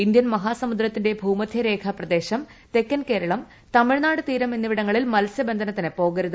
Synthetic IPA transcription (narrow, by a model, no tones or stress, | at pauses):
indjɐnmɐɦaːsɐmud̪ɾɐt̪ːinde̞bʱuːmɐd̪ʱjɐɾe̞ːkʰɐprɐd̪e̞ːɕɐm | t̪e̞kːɐnke̞ːɾɐɭɐm | t̪ɐmiɻnaːɽɨt̪iːɾɐme̞nːiʋiɽɐŋːɐɭilmɐlɐsjɐbe̞nd̪ʱɐnɐt̪ːinɨpo̞ːɡɐɾuðɐ